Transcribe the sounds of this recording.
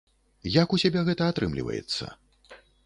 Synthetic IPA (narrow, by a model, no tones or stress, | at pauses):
jakusʲabʲɛɣɛt̪ɐat̪ɾɨmlʲḭvɐ̰jɛ̰t̪sːɐ̰